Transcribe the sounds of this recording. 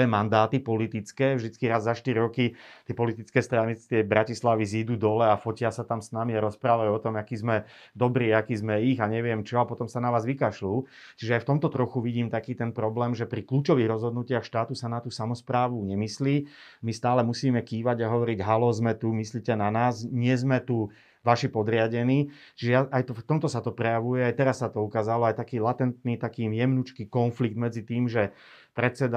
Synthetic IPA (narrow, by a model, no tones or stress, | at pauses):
ɛmand̪aːt̪ipɔlit̪it͡skɛːvʒd̪it͡skiɾazːaʃt̪iɾiɾɔkit̪ɪɛpɔlit̪it͡skɛːst̪ɾanit̪ɪɛbɾacislaʋiziːd̪uːd̪ɔlɛafɔcɪasat̪amsnamiaɾɔspɾaːʋajuɔt̪ɔmakiːzmɛ | d̪ɔbɾiːakiːzmɛiɣaɲɛʋɪɛmt͡ʃɔapɔt̪ɔmsanaʋaːzʋikaʃluː | t͡ʃiʒɛajft̪ɔmt̪ɔt̪ɾɔxuʋiɟiːmt̪akiːt̪ɛnpɾɔblɛːmʒɛpɾikluːt͡ʃɔʋiːɣɾɔzɦɔd̪nucɪaxʃt̪aːt̪usanat̪uːsamɔspɾaːʋuɲɛmisliː | mist̪aːlɛmusiːmɛkiːʋaɟaɦɔʋɔɾiɟɦalɔzmɛt̪umisliːcɛnanaːzɲɪɛzmɛt̪u | ʋaʃipɔd̪ɾɪaɟɛniː | t͡ʃiʒɛjaʔajt̪ɔft̪ɔmt̪ɔsat̪ɔpɾɛjaʋujɛajt̪ɛɾasːat̪ɔukaːzalɔajt̪akiːlat̪ɛnt̪niːt̪akiːmjɛmnut͡ʃkiːkɔnfliɡ̚d̪mɛd͡zit̪iːmʒɛ | pɾɛt͡sɛd̪a